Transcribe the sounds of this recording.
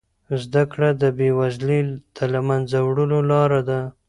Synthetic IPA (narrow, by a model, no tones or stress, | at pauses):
zd̪akɽad̪əbewazlid̪̥əlamanzawɽəlolɑɾad̪a